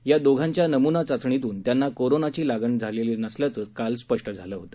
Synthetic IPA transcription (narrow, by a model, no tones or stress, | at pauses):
jad̪oɡʱaɲt͡ɕjanəmunat͡sat͡sɳit̪̬uːnt̪janːakoɾonat͡ɕiːlaɡənd͡zʱalelinəsljat͡səːkalspəʂʈəd͡zʱaləːɦot̪ə̥